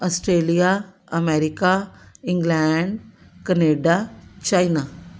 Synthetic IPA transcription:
ɔsʈɾeːlija | ɐmeɾikaĩŋɡlɛɳɖ | kəneːɖat͡ʃajna

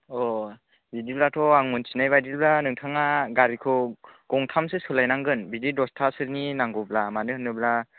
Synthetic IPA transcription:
ɔ | bidiblatʰɔaŋunsinajbajdilblanɯŋtʰaŋaɡaɾikʰɯɡ̥ɔŋtʰamsesɯlajnaŋɡɯnbididɔstʰasɯɾninaŋɡɔblamanɯhɯnːɯbla

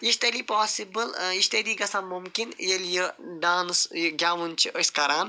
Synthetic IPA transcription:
iʃt̪elipaːsibəliʃt̪eliːɡɐsãnmumkinjelʲjəɖaːnsjɡʲaːʋunt͡ʃʰiʔəskɐɾaːn

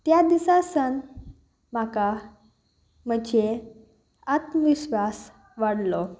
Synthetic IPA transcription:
t̪jad̪isasən | m̤aka | m̤əd͡ʑe | at̪məʋiɕʋas | ʋaɽlɔ

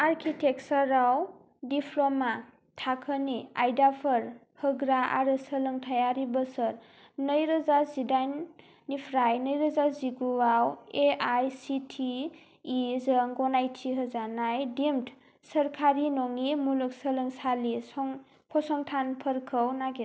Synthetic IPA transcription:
aɾkʰitʰek̚səɾaw | dipʰlɔma | tʰakʰəniajdapʰəɾ | hɯɡɾaa̰ɾɯsəlɯŋtʰajaɾibəsəɾ | nəjɾɯzazidajnː | ipʰɾajnəjɾəzaziɡuwaweajsitʰiː | zəŋɡɔnajtʰiɦəzanajdimt | səɾkʰaɾinɔŋimuluk̚səlɯŋsalisɔŋ | kʰɔsɔŋtʰanpʰəɾkʰəwnaɡe

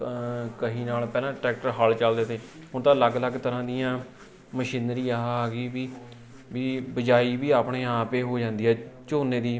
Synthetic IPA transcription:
kəɦĩːnaːlpɛːlãːʈɾɛːk̚ʈəɾɦaːlt͡ʃəld̪eːt̪eː | ɦʊɳt̪ãːləɡləɡt̪əɾãːd̪ijãː | məʃɪːnɾiːaɦaːɡiːʋiː | ʋiːbəd͡ʒaːiːbiːaːpɳeːaːpeːɦoːd͡ʒãːnd̪iːɦɛːt͡ʃoːneːd̪iː

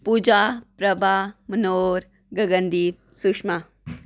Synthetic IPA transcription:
pud͡ʒapɾɐbʱamənoːɾ | ɡɐɡənd̪iː | sukʂma

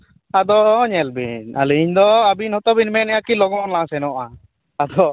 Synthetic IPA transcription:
ad̪ɔɲɛlbiɲa̰lɛiɲd̪ɔabinhɔt̪ɔbinmɛnɛjakilɔɡɔnlasɛnɔʔa | ad̪ɔ

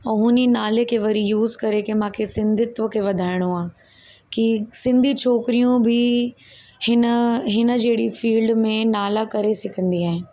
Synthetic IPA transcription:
ɐ̃ɦʊninaːlekʰeʋɐɾijuːzkɐɾekemãːkʰesɪ̃nd̪ʱɪt̪ʋəkʰeʋɐd̪ʱaːɪɽ̃oaː | kisɪ̃nd̪ʱit͡ʃʰoːkɪɾijũbʱɪ | hɪnəɦɪnə̆d͡ʑeːɽifiːlɖmẽnaːlakɐɾesɪkʰə̃nd̪iaːɦɪ̃

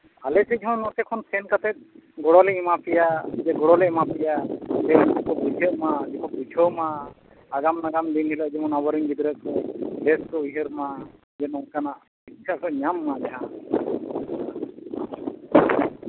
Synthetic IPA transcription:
alɛsʰɛd͡ʒɔɦɔ̃nɔt̪ɛkʰɔnsʰɛnkat̪ɛt̪̚ɡɔɽɔlɛimapʰijad͡ʒɛɡɔɽɔlɛimapʰijad͡ʒɛnd͡ʒikɔbud͡ʒʱeɾmad͡ʒikɔbud͡ʒʱɔmaː | ɡamnaɡamd̪inɦilɛd͡ʒɛmɔnabɔɾiŋɡid̪ɾɛt̪̚ɔlɛskɔujɦeɾma | d͡ʒɛnɔkanaʔ | itt͡ʃʰakʰɔɲamːad͡ʒɛɦã

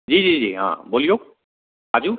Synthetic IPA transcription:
d͡ʑid͡ʒid͡ʑiɦã̰bolijok̚ | azu

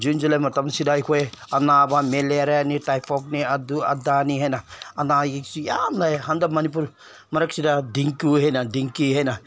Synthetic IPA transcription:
d͡ʒund͡ʒulamɐt̪amsidajkʰoe | ɐnabameleɾaaniʈajpʰɔk̚niɐd̪uɐ̰d̪aniɦenaɐnaɡiksijamlajɦɐnd̪amɐnip̬uɾ | mɐɾɐk̚sidad̪iŋkuɦenad̪iŋkiɦena

